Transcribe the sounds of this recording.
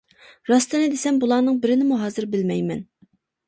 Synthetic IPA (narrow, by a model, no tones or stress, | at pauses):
ɾɑst̪ɨnɨd̪esɛmbulˠɑːnɨŋbɪɾɪnɪmuɦɑːzɨɾbɪlmɛjmɛ̰n